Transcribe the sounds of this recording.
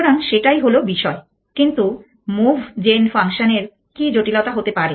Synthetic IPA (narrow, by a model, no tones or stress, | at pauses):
ɾaŋʃeʈajɦolobiʃɔe | kint̪u | mubʱd͡ʑenfʰaŋʃoneɾ | kid͡ʑoʈilot̪aɦot̪epaɾe